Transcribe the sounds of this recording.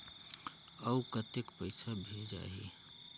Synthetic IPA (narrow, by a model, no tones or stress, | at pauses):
əukət̪ekpəɪsʰabʱed͡ʒa̰ɦḭ